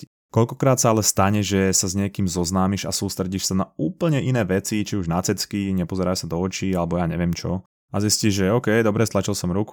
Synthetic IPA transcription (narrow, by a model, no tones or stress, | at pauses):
kɔʎkɔkɾaːt̪saalɛst̪aɲɛʒɛsazɲɪɛkiːmzɔznaːmiʒa̰suːst̪ɾɛɟiʃsanauːpl̩ɲɛʔinɛːʋɛt͡sit͡ʃiuʒnat͡sɛt͡skiɲɛpɔzɛɾaːʃsad̪ɔɔt͡ʃiːalɛbɔjaːɲɛʋɪɛmt͡ʃɔ | azisciʒʒɛɔːkɛjd̪ɔbɾɛst̪lat͡ʃilsɔmɾuk